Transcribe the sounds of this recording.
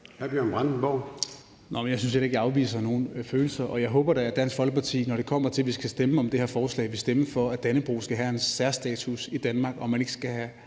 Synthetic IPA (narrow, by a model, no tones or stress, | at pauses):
hæɐb̥inb̥ʁann̩b̥ɒ̰ʊ | nʔɒmenjɑ̈ɪsynsjeleɡjɑ̈ʊʋḭːs̬ɐno̝ːn̩føːl̩sɐʔɒ̽jɑ̈ɪɦɔ̽ːb̥ɐɾ̥ɑɐd̥æn̰sɡ̥fɒ̽l̰ɡ̥ə̥pʰɑ̈t͡sʰḭːnɒɾ̥e̝kʰɒ̽m̰ɐt͡sʰe̝lʋisɡ̥æsd̥eməɒ̽md̥e̝hɛɐfɒːslɛ̰ɪʋe̝sd̥eməfɒ̽æd̥ænəb̥ʁṵːsɡ̥æɦæensæɐsd̥ɛ̰ːt͡sʰusid̥ænmɑ̈ːɡ̥ɒ̽mːæne̝ɡ̥ə̥sɡ̥æɦæ